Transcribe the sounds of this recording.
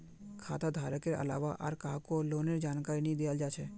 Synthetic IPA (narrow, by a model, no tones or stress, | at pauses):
kʰa̰ːt̪ad̪ʱaːɾəkeɾə̰la̰ːʋaʔa̰ɾkaɦkoloːneɾd͡ʒaːnkaːɾinĩd̪ejald͡ʒaːt͡ʃʰɛ